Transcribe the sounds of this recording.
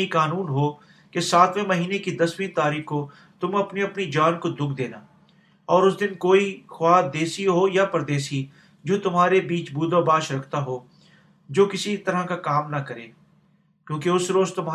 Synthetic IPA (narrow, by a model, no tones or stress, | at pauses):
ikaːnuːnɦoː | kesaːt̪ʰwẽmɐɦiːnekid̪ɐswĩt̪aːɾiːxko | t̪ʊmɐpniɐpnid͡ʒaːnkod̪ʊɡd̪eːnaː | ɔːɾʊs̬d̪ɪnkoːixwaːd̪eːsiɦojapɐɾd̪eːsi | d͡ʒoːt̪ʊmɦaːɾebiːt͡ʃbuːd̪abaːʃɾɐkʰt̪aɦoː | d͡ʒoːkɪsit̪ɐɾakakaːmnɐkɐɾeː | kjõːkeʊsɾoːzt̪ʊmː